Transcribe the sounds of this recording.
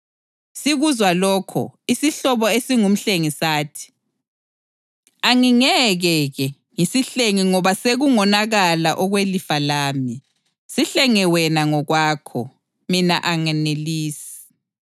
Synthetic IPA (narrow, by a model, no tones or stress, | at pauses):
siɣuzwalɔːkʰɔ̰isiɬɔβɔesiŋum̩ɬeŋisaːtʰi̥ | aŋiŋɛɣɛɣɛ | ŋisiɬeŋiŋɔβaseɣuŋɔnaɣalaʔɔɣwelifalaːmi | siɬɛŋɛwɛnaŋɔɣwaːkʰɔ̰ | mina̰ʔaŋɛneliːsi̥